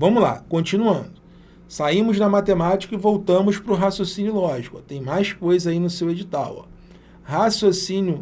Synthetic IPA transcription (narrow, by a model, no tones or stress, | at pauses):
vɐ̃mʊla̰kõt͡ʃinuɐ̃nd̪ʊ | saĩmʊznɐmat̪emat͡ʃi̥kɐɪvowt̪ɐ̃mʊspɾʊɦasjosĩnjʊlɔʒikɐt̪ẽj̃majskojzainʊsewed͡ʒit̪a̰wɔ̰ | hasjosĩnjʊ